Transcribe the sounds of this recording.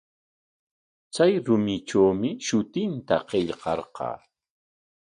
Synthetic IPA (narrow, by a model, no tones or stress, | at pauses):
t͡sajɾʊmɪʈ͡ʂawmɪʃʊt̪ɪnt̪a̰qeʎqɑɾqɑ̰ː